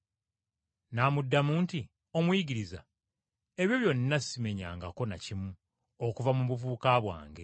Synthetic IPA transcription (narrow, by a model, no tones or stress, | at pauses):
namudːamuːnti | o̞mwiɟiɾiza̰ | e̞βjo̞βjo̞nːasime̞ɲa̰ːŋɡako̞nacimu | okuvamuβuvuːkaβwa̰ːŋɡe̞